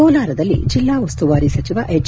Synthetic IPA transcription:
ɔːlaːɾɐd̪ɐlːḭd͡ʒilːaːʋɐst̪uʋaːɾisɐt͡ʃiʋɐʔet͡ʃ

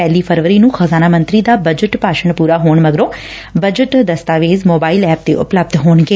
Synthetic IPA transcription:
ɛːliːpʰəɾʋəɾiːnũːxazaːnaːmə̃nt̪ɾiːd̪aːbəd͡ʒəʈpaːʃəɳpuːɾaːɦoːɳməɡɾõː | bəd͡ʒəʈd̪əst̪aːʋeːzmoːbaːilɛːp̚t̪ḛːʔʊ̰pləb̚d̪ɦoːɳɡeː

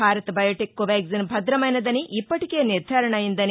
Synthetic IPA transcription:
aːɾɐt̪bɐjɐʈikːuʋaːɡzinbʱɐd̪ɾɐmɐjnɐd̪ɐniʔipːɐʈike̞ːniɾd̪ʱaːɾɐɳɐjind̪ɐn

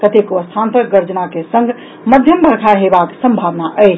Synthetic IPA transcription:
kət̪ekəst̪ʰant̪əɡəɾd͡ʒnakesə̃ŋɡʱ | məd̪ʱjəmbʱəɾkʰaɦebaksəmbʱaʋnaʔəjt͡ʃʰ

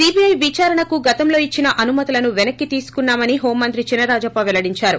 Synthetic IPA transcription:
siːbiɐjʋit͡ʃaːɾɐɳɐkuɡɐt̪ɐmlo̞ːit͡ʃːinɐʔɐnumɐt̪ilɐnuʋɛnɐkːit̪iːsu̥kunːaːmɐniɦo̞ːmːɐnt̪ɾit͡ʃinːɐɾaːd͡ʒɐːpaʋɛlɐɽiɲt͡ʃaːɾu

